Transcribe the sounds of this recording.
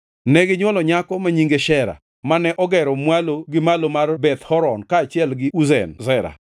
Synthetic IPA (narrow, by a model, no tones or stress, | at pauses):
nɛɡɪɲwɔlɔɲakɔmaɲiŋɡeʃɛɾa̰ | manɛʔɔɡɛɾɔmwaloɡɪmalomarbɛt̪hɔɾɔnkaːt͡ʃɪɛlɡɪʔuzɛ̰nzɛɾa̰